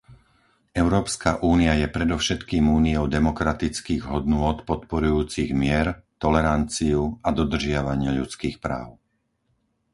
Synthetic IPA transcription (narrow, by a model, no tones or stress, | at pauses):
ɛʊɾɔːpskaʔuːniajɛpɾɛd̪ɔʊʃɛt̪kiːmuːniɔʊd̪ɛmɔkɾat̪it͡skiːɣɦɔd̪nʊɔt̪pɔt̪̚pɔɾujuːt͡siɣmɪɛɾt̪ɔlɛɾant͡siuad̪ɔd̪r̩ʒɪaʋaɲɪaʎut͡skiːxpɾa̰ːʊ